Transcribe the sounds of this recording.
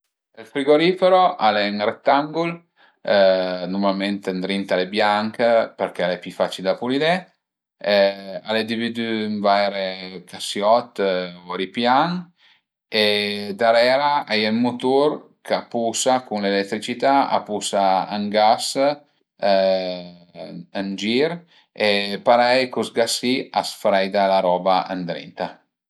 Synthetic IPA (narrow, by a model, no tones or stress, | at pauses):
elfɾiɡoɾifeɾoʔalɛŋrɛk̚t̪ːaŋɡul | numalment̪and̪ɾint̪alebjaŋkpeɾk̟ɛalɛpifat͡ʃild̪apulid̪ɛ | a̰lɛd̪ivid̪yɱvajɾekasjɔt̪ːvoɾipjaŋ | ed̪aɾɛɾaajɛlmut̪uɾ | kapusakunlelɛt̪ːɾit͡ʃit̪aa̰pusaaŋɡas | ənd͡ʒiɾ | epaɾɛjkusɡasiasfɾɛjd̪alaɾɔbaʔa̰nd̪ɾɛ̰nt̪a